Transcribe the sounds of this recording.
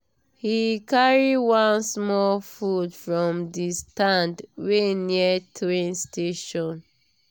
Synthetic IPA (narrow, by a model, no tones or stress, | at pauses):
hikaɹiwãnsmɔlfudfɹɔ̃mdistãndweniətʰɹẽnstʰeʃɔ̃n